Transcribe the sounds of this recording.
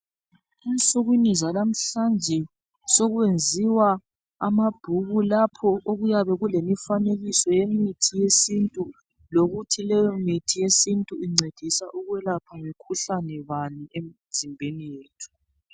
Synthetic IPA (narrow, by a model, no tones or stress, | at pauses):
int͡sʼuɣwinizalam̩ɬand͡ʒʱɛ | sɔɣwend͡zʱiwa | a̰mab̥ʱuɣulapʰɔʔoɣujaβɛɣulemifaneɣisɔjemitʰijesintʼu | loɣutʰilɛjɔmitʰijesintʼuiŋ͡ǀed̥ʱisaʔuɣwɛlapʰaŋikʰuɬanɛβaniem̩ | zimbʱenijeːtʰu̥